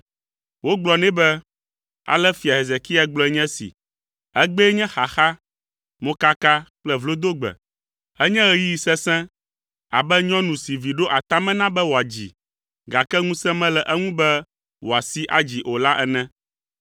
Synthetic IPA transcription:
wo˦ɡ͡blɔ˨nɛ̃˦bɛ˦ | a̰˨lɛ˦fi˨a˨ɦe˨ze˨ki˦a˨ɡ͡blɔ˦ɛ˨˦ɲɛ̃˦sḭ˨ | ɛ˦ɡ͡bɛ˦ɲɛ̃˦xa˨xa˦ | mõ˦ka˦ka˦k͡plɛ˦vlo˦d̪o˦ɡ͡bɛ̰˨ | ɛ˦ɲɛ̃˦ɣɛ˦ji˦i˨sɛ˦sɛ̃˦ | a̰˨bɛ˦ɲɔ̃˦nũ˨si˨vi˨ɖo˦ʔa˨t̪a˦mɛ̃˦nã˦bɛ˦wo˨a˨d͡ʑḭ˨ | ɡa˨kɛ˦ŋũ˦sɛ̃˦mɛ̃˦lɛ˨ʔɛ˦ŋũ˦bɛ˦ | wo˨a˨si˦ʔa˨d͡ʑi˨ʔo˨la˦ʔɛ˦nɛ̃˦

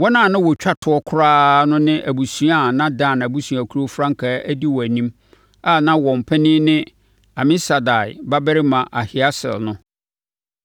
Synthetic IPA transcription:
wɔ˦nã˦˨nã˦wɔ˨t͡ɕᶣa˦tʰʊ˨˦ɔ˦kʰʊ˦ɾaː˦nʊ̃˦nɪ̃˦ʔæ˨bu˨sũ˨˦a˦˨nã˦dãː˦˨n˨æ˨bu˦su˨a˨kʰu˦ɾo˦fɾã˦ŋ˦kʰaː˨˦æ˦di˦wɔ˨æ˨nĩ˦m | a˦˨nã˦wɔ̃˨m˨pʰɛ˦nɪ̃ː˦nɪ̃˦ | a˨mɪ̃˦sa˨da˨ɪ̰˨ba˦bɛ˦ɾɪ˦mã˨ʔa˨hɪ˨a˦sɪ̰˨lnʊ̃˦

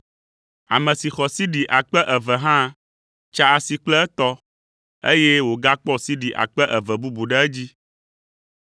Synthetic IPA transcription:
a̰˨mɛ̃˨si˨xɔ˨si˦ɖi˨ʔa˨k͡pɛ˦ʔɛ˨vɛ˨ɦã˦ | t͡ʃa˦a˨si˨k͡plɛ˦ɛ˦t̪ɔ˦ | ḛ˦je˦wo˨ɡa˦k͡pɔ˦si˦ɖi˨ʔa̰˨k͡pɛ˦ʔɛ˨vɛ˨bu˦bu˨ɖɛ˦ɛ˦d͡ʑi˦

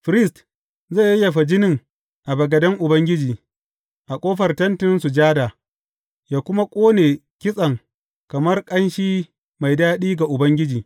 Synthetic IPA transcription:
ɸɾɪ˦st | za˦˨jja˨ɸɐ˨d͡ʒɪ˦nɪ˨ŋ | ʔa˨bɐ˨ɡɐ˨dɐ˦ŋʔʊ˨bɐ˦ŋɡʲɪ˦d͡ʒiː˨ | ʔa˨kʷʼoː˦ɸɐ˨rtɐ˦ntɪ˦nsu˨d͡ʒaː˦daː˨ | jaː˨kʷʊ˦ma˦kʷʼoː˦neː˨ | kʲɪ˦sʼɐ˨ŋ | kɐ˨mɐ˦rkʼɐ˦nʃiː˦ | ma˨jdaː˦ɗiː˦ɡa˨ʔʊ˨bɐ˦ŋɡʲɪ˦d͡ʒiː˨

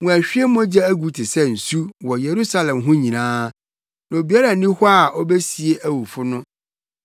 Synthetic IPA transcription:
ŋũ˨æ˨ɕᶣi˦e˦mɔ̃˦d͡ʑɛ˦æ˦ɡu˨tʰɪ˨sɛ˦n̩˨su˦wɔ˨je˨ɾu˦sa˦lɛ̃˨mɦʊ̃˦ɲĩ˨nãː˦ | nã˨o˨bi˨a˦ɾa˨nĩ˦hɔ˦a˨ʔɔ˦be˦si˨e˦ʔæ˦wu˨fʊ˦nʊ̃˦

